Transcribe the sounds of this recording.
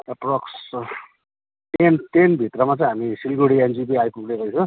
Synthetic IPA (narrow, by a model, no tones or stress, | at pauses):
proks | tent̪enbʱit̪rʌmat͡sʌ̃ĩɦamisilɡoɽiend͡zipiajpuɡlekʌjt͡sʰʌ